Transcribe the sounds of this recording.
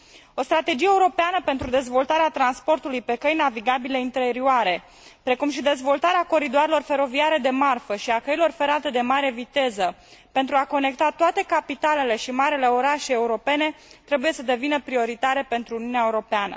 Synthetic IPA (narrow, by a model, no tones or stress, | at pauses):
o̞st̪ɾat̪e̞d͡ʒijeuɾo̞peanəpe̞nt̪ɾud̪e̞zvo̞lt̪aɾeat̪ɾanspo̞rt̪ulujpe̞kəjnaviɡabile̞int̪e̞ɾioaɾe̞ | pɾe̞kumʃid̪e̞zvo̞lt̪aɾeako̞ɾid̪oaɾelo̞rfe̞ɾo̞viaɾe̞d̪e̞marfəʃiakəjilo̞rfe̞ɾat̪e̞d̪e̞maɾe̞vit̪e̞zə | pe̞nt̪ɾuako̞ne̞kt̪at̪oat̪e̞kapit̪ale̞le̞ʃimaɾile̞o̞ɾaʃeeuɾo̞pe̞ne̞t̪ɾe̞buje̞səd̪e̞vinəpɾio̞ɾit̪aɾe̞pe̞nt̪ɾuuniuneaeuɾo̞peanə̰